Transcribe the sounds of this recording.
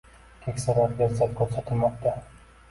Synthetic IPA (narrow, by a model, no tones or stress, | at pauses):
k̪ʲʰekʲsaɾaɾd͡ʒaɾzat̪kʲʰɵɾsat̪ʰɪlmɒq̚t̪ʰa